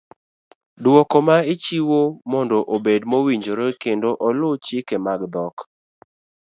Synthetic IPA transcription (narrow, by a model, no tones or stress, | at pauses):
dwɔkɔmaɪt͡ʃiwomɔndɔʔobedmowiɲd͡ʒoɾokendoʔɔlot͡ʃɪkemaɡd̪ɔk